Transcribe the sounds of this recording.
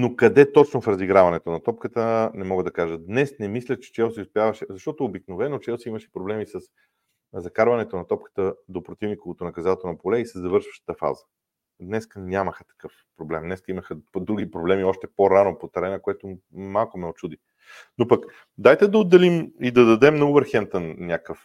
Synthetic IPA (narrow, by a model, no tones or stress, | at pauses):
nokɐd̪ɛt̪ɔt͡ʃnofɾɐziɡɾavɐnɛt̪onɐt̪ɔpkət̪ənɛmɔɡəd̪ɐkaʒəd̪nɛsnɛmislʲət͡ʃɛ̥t͡ʃɛlˠsiospʲjavəʃɛzɐʃt̪ɔt̪oobiknovɛnot͡ʃɛlˠsiimɐʃɛ̥pɾoblɛmisɐs | zɐkaɾvɐnɛt̪onɐt̪ɔpkə̥t̪əd̪opɾot̪ivnikovot̪onɐkɐzat̪onɐpolɛisɛzɐvɤɾʃvə̥ʃt̪ə̥t̪əfa̰zə̥ | d̪nɛskənʲaməxət̪ɐ̥kɤf | pɾoblɛmd̪nɛskəiməxəd̪ɾuɡ̟ipɾoblɛmiɔʃt̪ɛpoɾanopot̪ɐɾɛnɐkoɛt̪omalˠkʊmɛot͡ʃud̪i | nopɐk | d̪ajt̪ɛd̪ɐod̪ːɛlimid̪ɐd̪ɐd̪ɛmnɐubɛɾxɛmt̪ənnʲjakəf